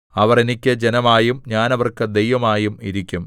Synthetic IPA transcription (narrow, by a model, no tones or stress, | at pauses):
ɐʋɐrenikʲːɐd͡ʑenɐmaːjumɲaːnɐʋɐrkɨd̪ejʋɐmaːjumiɾikʲːum